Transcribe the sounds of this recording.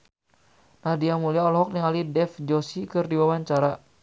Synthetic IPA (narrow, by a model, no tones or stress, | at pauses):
nahdiamuliaɔlɔɦɔk̚niŋɦalidɛfd͡ʒɔsikɨrdiwawaɲt͡ʃaɾa